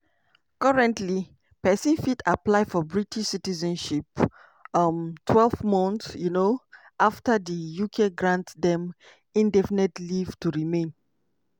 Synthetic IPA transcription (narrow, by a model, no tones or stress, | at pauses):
kɔɹɛ̃ntli | pɛsĩnfidaplaɪfɔbɹitiʃsitizɛ̃nʃip | mtʰwɛlvmɔ̃ntjuno | ʔaftadijukʰeɡɹãntdɛ̃m | ĩndɛfinetlivtuɹimẽn